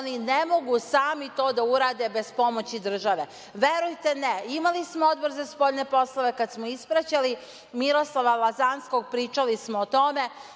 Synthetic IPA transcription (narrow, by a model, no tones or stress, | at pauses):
ninemo̞ɡusaːmit̪o̞ːd̪auɾaːd̪e̞be̞spo̞mot͡ɕid̪r̩ʒaʋe | ʋe̞ɾujt̪eneimalismood̪boɾzaspoʎne̞po̞slˠoʋe̞kad̪smoispɾat͡ɕali | miɾo̞slˠaʋalˠazanskoɡ̚pɾiːt͡ʃalismoːt̪o̞me̞